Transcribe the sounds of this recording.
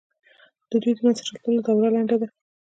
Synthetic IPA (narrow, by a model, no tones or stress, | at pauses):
d̪̥əd̪ujd̪ənansat͡ʃat̪əld̪awɾalaɳɖad̪a